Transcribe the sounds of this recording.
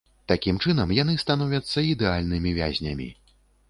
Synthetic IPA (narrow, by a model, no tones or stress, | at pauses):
t̪akʲimt͡ʂɨnɐmjan̪ɨst̪anɔvʲɐt̪sːɐid̪ɛalʲnɨmʲivʲa̰zʲnʲɐmʲḭ